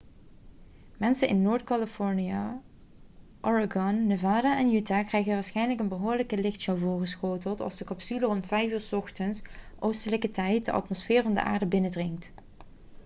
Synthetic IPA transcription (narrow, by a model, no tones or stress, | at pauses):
mɛnsənʔɪ̰nːoːɹtkɑləfɔɹnia | ʔɔɹaɡɔnːəvaːdaʔɛnjytakrɛjɣənʋaːɹsχɛjnləkənbəɦʊːɹləkəlɪxtʃowvʊːɹχəsxoːtəlˠtɑ̰lˠzdəkɑpsylərɔntfɛjfyːɹsɔxtənsʔowstələkətɛjt̚dəʔɑ̰tmɔsfɪːrvɑndə̰ʔa̰ːɹdəbɪnədrɪŋkt